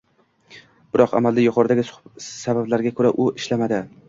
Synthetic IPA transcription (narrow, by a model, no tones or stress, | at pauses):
b̥ɪɾɒqa̰mald̪ajʊqʰɒɾd̪aɡʲɪsʊ̥sabablaɾɡʲakʰɵɾaʔʊʔɪʃlamad̪ɪ